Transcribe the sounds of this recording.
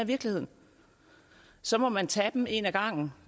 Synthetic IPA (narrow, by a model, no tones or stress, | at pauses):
ʋiɐɡ̥lihe̝ð̞̰ˠn̩ | sɒ̽mɒ̽mænt͡sʰɛd̥em̩e̝ːnæɡ̥ɑ̈ŋ̰n̩